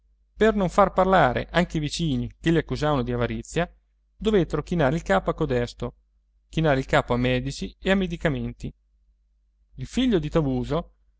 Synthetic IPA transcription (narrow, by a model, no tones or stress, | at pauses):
pernoɱfarparlaːɾḛʔaŋkeivit͡ʃiːnikelʎːiakːuzaːvanod̪iavaɾit̪sːja | d̪ovet̪ːeɾok̟inaːɾeilkaːpoakːod̪ɛst̪o | k̟inaːɾeilkaːpoamːɛːd̪it͡ʃieamːed̪ikament̪i | ilfiʎːod̪it̪avuːzo